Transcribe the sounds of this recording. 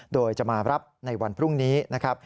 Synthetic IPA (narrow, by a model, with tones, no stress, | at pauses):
doː˧jt͡ɕa˧˩maː˧ɾa˦˥p̚na˧jwa˧npʰɾu˥˩ŋniː˦˥na˦˥kʰɾa˦˥p̚